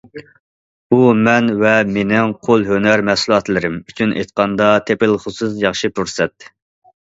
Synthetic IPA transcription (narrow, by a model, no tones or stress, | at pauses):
umɛnvɛmenɪŋqʰolˠɦønæɾmɛsulˠɑt̪lˠɨɾɪmyt͡ʃʰynʔḛjt̪̚qɑnd̪ɑt̪ʰepɪlˠχʊsus̬jɑχʃipʰuɾsɛt̪